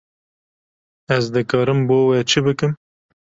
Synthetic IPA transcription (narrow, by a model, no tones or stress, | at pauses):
ɛzd̪ɨkʰɑːɾɨmboːwɛt͡ʃʰɨbɨkɨm